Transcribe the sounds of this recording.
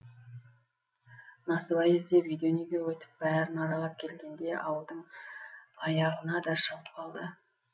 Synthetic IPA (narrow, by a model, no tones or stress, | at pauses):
nɑsəbɑjezd̪evijd̪eoneɡʲe̞wɵt̪ɪ̥p̚bæɾɪnɑɾɑlˠɑp̚kʲʰe̞lɡʲe̞nd̪e̞ʔɑwəlˠd̪əɴ | ɑjɑʁənɑd̪ɑʃɑwəp̚qʰɑlˠd̪ə